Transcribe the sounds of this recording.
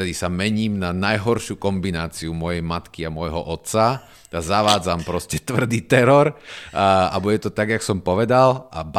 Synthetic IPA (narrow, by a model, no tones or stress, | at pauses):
t̪ɛd̪isamɛɲiːmnanajɦɔɾʃukɔmbinaːt͡siumʊɔjɛjmat̪kiamɔjɦɔ̰ʔɔt̪sa | t̪azaʋaːd͡zampɾɔscɛt̪ʋr̩d̪iːt̪ɛɾɔɾ | a̰buɟɛt̪ɔt̪aɡjaksɔmpɔʋɛd̪alʔab